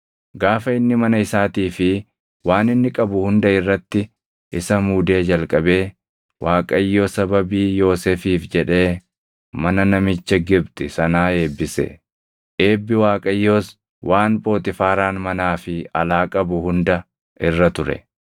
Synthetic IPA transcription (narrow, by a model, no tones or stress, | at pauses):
ɡaːfɐɪnːɪmɐnɐɪsaːt̪iːfɪ | waːnɪnːɪkʼɐbʊhʊnd̪ɐɪrːɐt̪ːɪ | ʔɪsɐmuːd̪e̞ːd͡ʒɐlkʼɐbe̞ː | waːkʼɐjːo̞ːsɐbɐbiːjo̞ːseːfiːfd͡ʒɛᶑe̞ː | mɐnɐnɐmɪt͡ʃːɐɡɪbt̪ʼɪsɐnaːe̞ːbːɪsɛ̰ | ʔe̞ːbːɪwaːkʼɐjːo̞ːs | wʔaːnpʼo̞ːt̪ɪfaːɾaːnmɐnaːfɪɐ̰laːkʼɐbʊhʊnd̪ɐ | ɪrːɐt̪ʊɾɛ̰